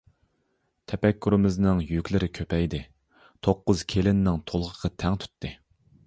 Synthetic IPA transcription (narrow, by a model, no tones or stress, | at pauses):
t̪ʰɛpɛkʲːyɾɪmɪznɪŋjykʲlɪɾɪkʲʰøpʰɛjd̪ɪ | t̪ʰoqːʊz̥kʲʰelɪnːɪŋt̪ʰolˠʁəʁʰɑt̪ʰɛŋt̪ʰy̥t̪ːɨ